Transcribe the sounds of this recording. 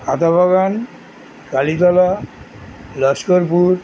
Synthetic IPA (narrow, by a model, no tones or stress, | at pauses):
at̪abʱaɡan | kalit̪ɔla | lʌskɔɾpuɾ